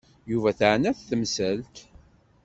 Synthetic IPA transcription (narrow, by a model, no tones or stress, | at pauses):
juvæθʕənæθθəmsælt̪